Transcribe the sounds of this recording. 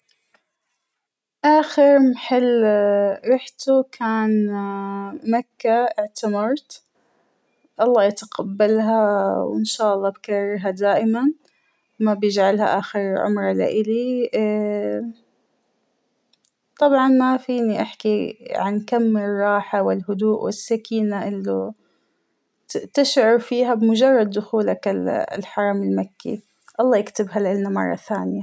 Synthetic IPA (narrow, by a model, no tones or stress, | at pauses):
ʔaːxɪɾmħɪlːɾɑħt̪ukʰaːn | makːaɪʕt̪amɑɾˤt̪ | ʔɑlˤːɑːjat̪aqabːalɦawɪnʃaːʔɑlˤːɑːbkɑrˤːɑɾɦad̪aːʔɪman | mabjɪd͡ʒʕalha̰ʔaːxɪɾʕʊ̰mɾˤɑla̰ʔɪli | t̪ˤɑbʕɑnmafiːniʔaħkiʕankamːrˤːɑːħawɪlɦʊd̪uːʔwɪsːakiːnaʔɪlːʊ | t̪ɪʃʕʊɾfiːɦabɪmʊd͡ʒɑrˤːɑd̪ːʊxuːlaklħɑɾˤɑmɪlmakːḭ | ʔɑlˤːɑːjɪkt̪ɪbɦalʔɪlnːamɑ̰rˤːɑ̰θaːnɪja